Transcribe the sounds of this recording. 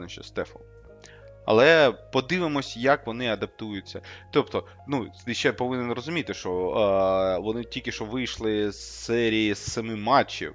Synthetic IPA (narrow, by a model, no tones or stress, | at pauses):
nɛʃt͡ʃɛ̰st̪ɛfɔ̰ | ɐ̰lˠɛpɔd̪ɪʋɪmɔsʲjɐkʋɔnɪɐd̪ɐp̚t̪ujʊt͡sʲːɐt̪ɔpt̪ɔ | nut̪ɪʃt͡ʃɛpɔʋɪnenɾɔzʊmʲit̪ɪʃt͡ʃɔ | ʋɔnɪtʲilʲkʲɪʃt͡ʃɔʋɪjʃlˠɪssɛɾʲijisɛmɪmɑt͡ʃːḭw